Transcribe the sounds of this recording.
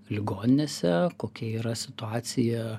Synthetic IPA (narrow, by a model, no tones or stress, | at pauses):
lʲɪɡoːnʲɪnʲeːsʲɛkoːkʲɛiːɾɐsʲɪt̪ʊɑːt̪sʲɪjɛ